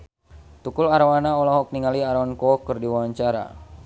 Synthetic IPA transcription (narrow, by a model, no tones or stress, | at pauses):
t̪ukʊlaɾawanaɔlaɦɔk̚niŋaliaɾankɔkərdiwaaɲt͡ʃaɾa̰